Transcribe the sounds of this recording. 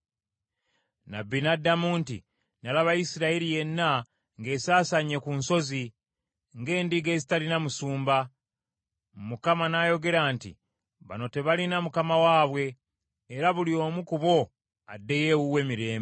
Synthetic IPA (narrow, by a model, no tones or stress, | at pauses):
na̰bːinadamuːntḭ | nalaβajisiɾailije̞nːa | ŋɡe̞ːsaːsaɲe̞kunso̞zi | ŋɡe̞ːndiɡe̞ːzitalinamusuːmba | mukamanajo̞ɡe̞ɾaːntḭ | βa̰no̞te̞βalinamukamawaːβwe̞ː | ɾaβulio̞ːmukuβo̞ | adːe̞je̞wuwe̞miɾe̞ːmbe